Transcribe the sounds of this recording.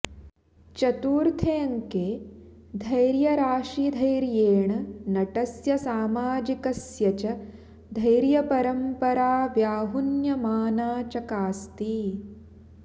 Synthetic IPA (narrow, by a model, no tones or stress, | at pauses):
t͡ʃɐt̪uːɾt̪ʰeːɐŋkeː | d̪ʱɐjɾjɐɾaːʂid̪ʱɐjɾjeːɳɐnɐʈɐsjɐsaːmaːd͡ʒikɐsjɐt͡ʃɐ | d̪ʱɐjjɾjɐpɐɾɐmpɐɾaːʋjaːɦunjɐmaːnaːt͡ʃɐkaːst̪i